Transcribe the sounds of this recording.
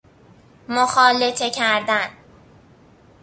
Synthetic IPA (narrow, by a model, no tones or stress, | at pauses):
moxɒːlet̪ʰecʰæɾd̪æn